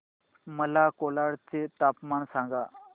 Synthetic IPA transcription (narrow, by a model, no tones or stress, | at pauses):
məlakolaɽt͡set̪apmaɳsãŋɡa